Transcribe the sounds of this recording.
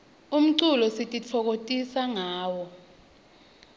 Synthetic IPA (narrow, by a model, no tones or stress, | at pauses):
um̩ǀulɔsitʼit͡fʰɔk̬otʼisaŋaːwɔ